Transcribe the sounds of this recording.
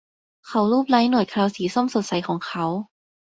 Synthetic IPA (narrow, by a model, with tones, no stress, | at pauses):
kʰa˦˥wluː˥˩p̚laː˦˥jnu˨˩jkʰɾaː˧wsiː˨˩˦so˥˩mso˨˩t̪̚sa˨˦jkʰɔː˩˦ŋkʰa˦˥w